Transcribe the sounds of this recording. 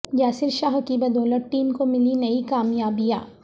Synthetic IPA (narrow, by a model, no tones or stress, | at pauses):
jaːsɪɾʃaːɦkibɐd̪ʱoːləʈʈːiːmkomɪlinɐikaːmjaːbijaː